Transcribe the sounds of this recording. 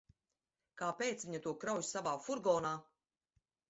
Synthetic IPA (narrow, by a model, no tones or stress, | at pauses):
kaːpeːt̪sviɲat̪uɔkɾawjsavaːfuɾɡɔːnaː